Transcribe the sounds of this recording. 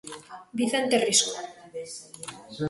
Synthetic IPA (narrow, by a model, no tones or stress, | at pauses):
biθent̪eriso